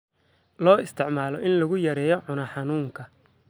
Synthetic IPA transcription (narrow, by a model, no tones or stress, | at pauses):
lɔːɪst̪ʰɪʕmaːlɔʔɪnlɐɣʊjɐɾɛːjɔʕʊnɐħɑnuːŋkʰɐ